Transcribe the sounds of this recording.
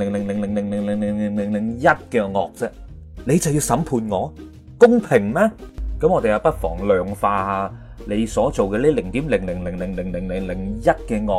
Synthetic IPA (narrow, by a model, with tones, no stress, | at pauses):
lɪ˨˩ŋlɪ˨˩ŋlɪ˨˩ŋlɪ˨˩ŋlɪ˨˩ŋlɪ˨˩ŋlɪ˨˩ŋlɪ˨˩ŋlɪ˨˩ŋlɪ˨˩ŋlɪ˨˩ŋjɐ˥t̚kɛː˧ŋɔː˨k̚t͡sɛ˥le˨˧jt͡sɐ˨wjiː˧wsɐ˨˥mpʰuː˧nŋɔː˨˧ | kʊ˥ŋpʰɪ˨˩ŋmɛː˥kɐ˨˥mŋɔː˨˧t̪e˨jɐ˨wpɐ˥t̚fɔː˨˩ŋlœː˨˧ŋfaː˧haː˨˧ | le˨˧jsɔː˨˥t͡so˨wkɛː˧liː˥lɪ˨˩ŋt̪iː˨˥mlɪ˨˩ŋlɪ˨˩ŋlɪ˨˩ŋlɪ˨˩ŋlɪ˨˩ŋlɪ˨˩ŋlɪ˨˩ŋlɪ˨˩ŋjɐ˥t̚kɛː˧ŋɔː˨˧